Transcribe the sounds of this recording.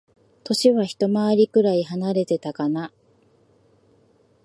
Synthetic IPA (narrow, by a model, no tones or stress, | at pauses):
t̪o̞ɕiβaçi̥t̪o̞maβaɾʲikɯ̟ɾaiɦanaɾe̞t̪e̞t̪akana